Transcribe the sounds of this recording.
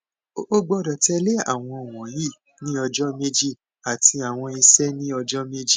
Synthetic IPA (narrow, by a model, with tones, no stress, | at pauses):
o˦ɡ͡bɔ˧dɔ˨tɛ˧le˦a̰˨w̃ɔ̃˧o˨w̃ɔ̃˨˦ji˦˨ | nĩ˦ɔ˧d͡ʒɔ˦me˦d͡ʒi˦ | a˨ti˧a˨w̃ɔ̃˧i˧sɛ˦nĩ˦ɔ˧d͡ʒɔ˦me˦d͡ʒi˦